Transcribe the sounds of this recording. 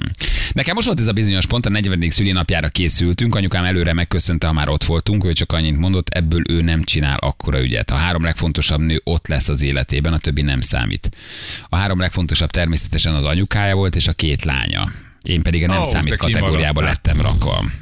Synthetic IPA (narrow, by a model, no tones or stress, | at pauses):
nɛkɛmo̞ʃt̪ʋo̞lt̪ɛzɒbizo̞ɲo̞ʃpo̞nt̪ɒnɛɟʋɛniksylinɒpjaːɾɒkeːsylt̪yŋkɒɲukaːmɛløːɾɛmɛkːøsø̞nt̪ɛɦɒmaːɾʔo̞t̪ʋo̞lt̪uŋkøːt͡ʃɒkɒɲːint̪mo̞nd̪o̞t̪ʰːɛbːøːlʔøːnɛmt͡ʃina̰ːlʔɒ̰kːo̞ɾɒy̰ɟɛ̰t̪ʰɒɦaːɾo̞mlɛkfo̞n̪t̪o̞ʃɒbnøːʔo̞t̪lɛsːɒzeːlɛt̪ḛːbɛnɒt̪ø̞bːinɛmsa̰ːmḭːt̪ɒɦaːɾo̞mlɛkfo̞nt̪o̞ʃɒb̚t̪ɛrmeːsɛ̥t̪ɛʃɛnɒzɒɲukaːjɒvo̞lt̪eːʃɒkeːt̪la̰ːɲɒ̰ | ʔeːmpɛd̪iɡɒnɛmsaːmitt̪kɒt̪ɛɡoːɾijaːbɒlɛ̰t̪ːɛmrɒ̰kʋɒ̰m